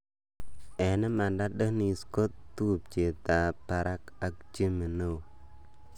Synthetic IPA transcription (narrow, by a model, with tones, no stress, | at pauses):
e˨ne˦ma˨nda˦də˦ni˨sko˦tːu˦˨p̚t͡ʃe˨ta˨pa˨ɾa˦ka˨k̚d͡ʒi˦mə˨nə˦˨w